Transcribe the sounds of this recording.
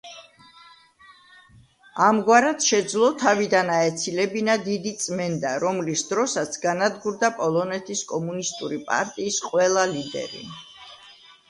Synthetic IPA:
amɡwaɾat̪ʃɛd̪zlˠɔt̪ʰavid̪anaɛt̪sʰilɛbinad̪id̪it̪sʼmɛnd̪aɾɔmlisd̪ɾɔsat̪sʰɡanad̪ɡuɾd̪apʼɔlˠɔnɛt̪ʰiskʼɔmunist̪ʼuɾipʼa̰ɾt̪ʼiːsqʼwɛlˠalid̪ɛ̰ɾḭ

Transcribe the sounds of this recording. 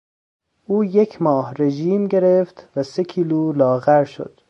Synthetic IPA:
ʔuːjecʰmɒːɦɾe̞ʒiːmɟe̞ɾeft̪væsecʰiːluːlɒːɣæɾʃo̰d̪̥

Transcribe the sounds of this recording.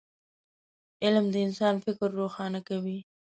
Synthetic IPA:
ɪlmd̪əɪnsɑnfɪkɾːoxɑnakawi

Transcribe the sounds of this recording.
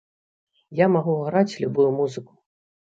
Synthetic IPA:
jamaɣuɣɾat͡sʲlʲubujumuzɨku̥

